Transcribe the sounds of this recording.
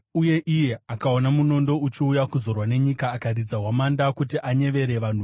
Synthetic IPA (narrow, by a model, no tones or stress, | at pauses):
uje̞ʔije̞akao̞namuno̞ndo̞ut͡ʃiujakuzo̞rwane̞ɲikaːkarid͡zaɦwamandakutiʔaɲe̞ʋe̞ɾe̞ʋan̤u